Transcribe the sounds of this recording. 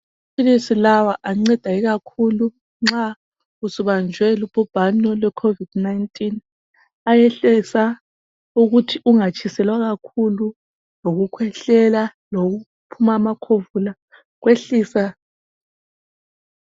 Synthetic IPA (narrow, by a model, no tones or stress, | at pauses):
pʰilisilawaʔaŋ͡ǀɛd̥ʱaiɣakʰulu | ŋ͡ǁa | usuβand͡ʒʱwɛlubɔb̥ʱanɔlwɛkʰovid̥naintʼin | ajɛɬɛsa | uɣutʰiʔuŋat͡ʃʰʼisɛlwaɣakʰulu | loɣukʰwɛɬɛlaloɣu | pʰumamakʰovula | ɣweɬiːsa